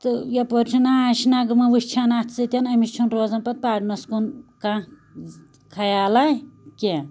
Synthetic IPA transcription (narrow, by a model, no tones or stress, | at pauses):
t̪ɨjɐpoɾt͡ʃʰinaaːʃinaɡɨmɐʋɨʃt͡ʃʰanaːt̪ʰt͡sɨt̪ʲɐnɐmisʲt͡ʃʰunɾoːzɐnpɐt̪̚paːɖnɐskunkã | kʰɐjaːlajkʲe